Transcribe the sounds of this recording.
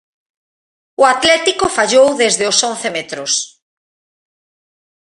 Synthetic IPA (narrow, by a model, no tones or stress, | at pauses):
ʊat̪lɛt̪ikʊfaʎowðezðɪʊsɔn̟θemet̪ɾʊs